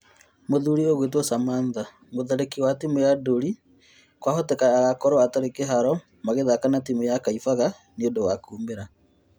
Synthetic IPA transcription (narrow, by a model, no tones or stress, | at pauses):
moðuɾioɣwet̬wɔsamaːnða | moðɛɾekiwatimujadoɾi | kwahotekaaɣakɔɾɔataɾekeɦaɾɔ | maɣeðakanatimujakaifaɣa | niondowakuːmbeɾa